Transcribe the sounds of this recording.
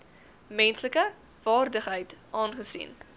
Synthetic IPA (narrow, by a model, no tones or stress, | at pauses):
mɛnsləkə | v̥ɑːrdəχɦəjtʔɑːnχəsḭn